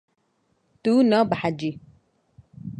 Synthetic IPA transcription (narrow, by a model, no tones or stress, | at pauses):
t̪uːnɔbaħad͡ʒi